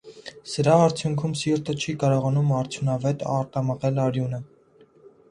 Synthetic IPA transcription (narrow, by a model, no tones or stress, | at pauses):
səɾɑːɾt͡sʰjuŋkʰumsiɾt̪ət͡ʃʰikɑɾɔʁɑnumɑɾt͡sʰjunɑvɛt̪ɑ̰ɾt̪ɑməʁɛlɑɾjunə